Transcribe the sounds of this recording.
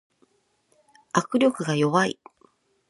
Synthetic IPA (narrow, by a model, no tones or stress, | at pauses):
akɯ̟ɾʲo̞kɯ̟ɡajo̞βaḭ